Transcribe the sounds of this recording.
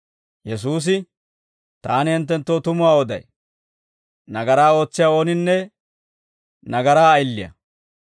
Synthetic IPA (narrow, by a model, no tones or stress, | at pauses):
jɛsuːs̬ɪ | t̪aːnɪhɪnt̪̬ːɛnt̪ːo̞ːt̪ʊmʊwaːɔd̪ɐ̰j | nɐɡɐɾaːo̞ːt͡sːɪjao̞ːnɪnːɛ | nɐɡɐɾaːjlːɪjɐ̰